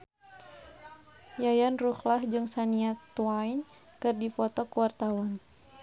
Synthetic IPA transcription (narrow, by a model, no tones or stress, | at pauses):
jajanruxlahd͡ʒɨŋsaniat̪uwain | kɨrdifɔt̪ɔkuwart̪awan